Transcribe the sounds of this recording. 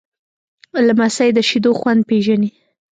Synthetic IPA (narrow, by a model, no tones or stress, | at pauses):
lamasajed̪əʃid̪oxwand̪̚peʒani